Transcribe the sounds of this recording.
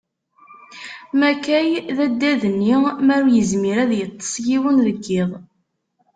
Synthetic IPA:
mækæjðæd̪ːæðənːimæɾwjəzmiɾæðjət̪ˤːə̥sˤjiwənðəɡːɪðˤ

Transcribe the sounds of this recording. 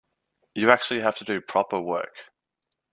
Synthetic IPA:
jəak̚t͡ʃʉəl̩ˠiɦaftʰədəpʰɹ̥ɒpəwɜ̰ˑk

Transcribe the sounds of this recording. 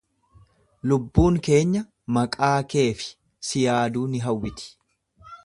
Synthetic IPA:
lʊbːuːŋke̞ːɲːɐ | mɐkʼaːke̞ːfɪ̥ | sɪjaːd̪uːnɪɦɐwːɪt̪ɪ̥

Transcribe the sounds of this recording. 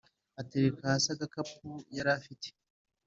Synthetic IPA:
ateɾekahasaɡakapujaɾafite̥

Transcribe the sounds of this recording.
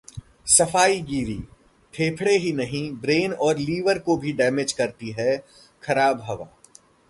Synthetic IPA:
sɐfaːiɡiːɾḭː | ʈʰeːpʰɽeɦinɐɦĩbɾeːnɔːɾliːʋəɾkobʱiɖɛːmed͡ʒkɐɾt̪iɦɛ | kʰɐɾaːbɦɐʋa̰ː

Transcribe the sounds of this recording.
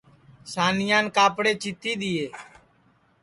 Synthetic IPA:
saːnɪjãːnkaːpɽeːt͡ʃɪt̪ʰːiːɗ̪ɪːeː

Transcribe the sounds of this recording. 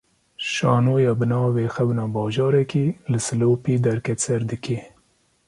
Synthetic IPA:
ʃɑ̰ːnoːjɑbɨnɑːwexabnɑbɑːʒɑːɾɛkilɨsɨloːpid̪aɾkɛt͡saɾd̪ɨkʰe

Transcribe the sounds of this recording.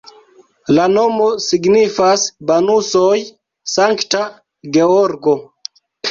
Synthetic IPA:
lano̞mo̞siɡnifasbanusoj | saŋkta | ɡe̞oɾɡo̞

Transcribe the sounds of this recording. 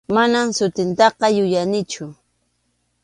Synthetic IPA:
manamsʊt̪ɪnt̪ɑqɑjʊjanɪt͡ʃʊ

